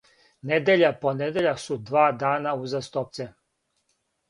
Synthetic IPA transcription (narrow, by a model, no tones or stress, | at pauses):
ned̪eʎaponed̪eʎaksud̪ʋaːd̪aːnauzast̪op̚t̪se